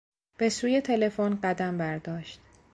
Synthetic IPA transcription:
b̥e̞suːje̞t̪ʰe̞le̞fonɢæd̪æmbæɾd̪ɒːʃt̪̚

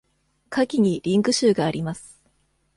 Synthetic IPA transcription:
kʰakʲiɲ̟iɾʲĩŋkɯ̟ɕɨːɡaːɾʲimasɨ̥

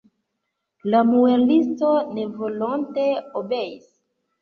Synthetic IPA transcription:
lamuelisto̞ne̞vo̞lonte̞obe̞is

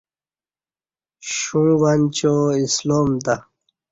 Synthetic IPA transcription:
ɕũːwant͡ɕoisloːmt̪a

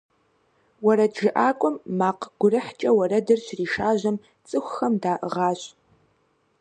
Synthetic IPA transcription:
wɐɾɐdʒɨʔaːkʷʼʊmːaːqɡ̥ʷʊrɨħt͡ʃʼɐwɐɾɐdɨrɕriːʃaːʑɐm | t͡sʼɨxʷxɐmdaːʔəʁɑːɕʼ

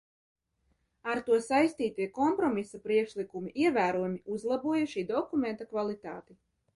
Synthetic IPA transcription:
aɾt̪uɔsajst̪iːt̪iɛkɔmpɾɔmisapɾiɛkʃlikumiʔiɛvæːɾuɔjumiuzlˠabuɔjuʃiːd̪ɔkument̪akvalˠit̪a̰ːt̪i

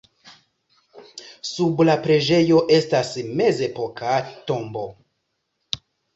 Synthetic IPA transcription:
sublapɾe̞d͡ʒe̞jo̞ʔe̞stasme̞ze̞po̞kʰato̞mbo̞

